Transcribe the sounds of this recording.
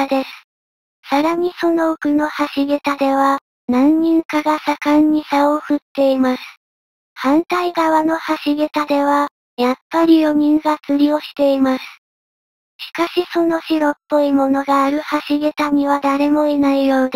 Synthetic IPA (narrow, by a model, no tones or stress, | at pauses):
d̪e̞sɨ̥ | saɾaɲ̟iso̞no̞ɯkɯ̟no̞haɕiɡet̪ad̪e̞βa | nãɲ̟ɲĩŋkaɡasakãɲ̟ːisaoɸɯ̟t̪ːe̞imasɨ̥ | hãnt̪aiɡaβano̞haɕiɡʲet̪ad̪e̞βa | japːaɾʲijo̞mʲĩŋɡat͡sɨɾʲio̞ɕi̥t̪e̞imasɨ̥ | ɕi̥kaɕiso̞no̞ɕiɾo̞pːo̞imo̞no̞ɡaːɾɯ̟haɕiɡʲet̪aɲ̟iβad̪aɾe̞mo̞enaijo̞ːd̪